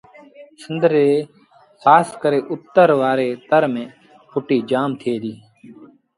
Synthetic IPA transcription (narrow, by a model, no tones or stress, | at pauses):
sənd̪əɾeː | xʰaːskəɾeːʔʊt̪ːəɾʋaːɾeːt̪əɾmẽː | pʰʊʈiːd͡ʒaːmt̪ʰɪeːd̪iː